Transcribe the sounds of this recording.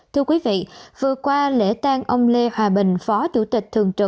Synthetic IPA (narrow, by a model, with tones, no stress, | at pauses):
t̪ʰɨ˧əkwi˨˦vḭ˧˨vɨ˨˩əkwaː˧lḛ˧˥t̪aː˧ŋʔə˧wŋ͡mle˧hwaː˨˩ɓï˨˩ŋ̟fɔ˨˦t͡ɕu˧˩t̪ï˨˩k̟̚t̪ʰɨ˨˩əŋt͡ɕɨ˨˩